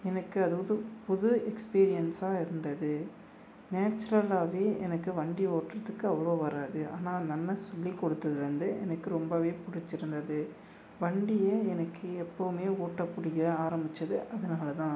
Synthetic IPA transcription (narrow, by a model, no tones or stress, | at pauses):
ɛnɐkːɯɐðɯʋɐðɯpʊðʊɛkspiːɾɪjɐnsaːɪɾɯnd̪ɐðɯ | neːt͡ʃːɐɾɐlaːʋeːɛnɐkːɯʋɐɳɖioːʈrɐðɯkːɯɐʋɐɭoːʋɐɾaːðɯʔa̰ːnaːnnɐnːɐsɔlːikːɔɽɯt̪ːɐðɯʋɐnd̪ɯʔɛ̰nɐkːɯɾɔmbɐʋeːpʊɽɪt͡ʃːɪɾɯnd̪ɐðɯ | ʋɐɳɖɪjɐɛnɐkːɯɛpːɐʋɯmeːoːʈːɐpːʊɽɪɣɐaːɾɐmbɪt͡ʃːɐðɯʔɐðɐnaːlɐt̪ãː